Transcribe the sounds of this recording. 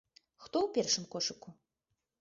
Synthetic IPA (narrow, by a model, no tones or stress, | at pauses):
xt̪ɔwpʲɛrʂɨmkɔʂɨku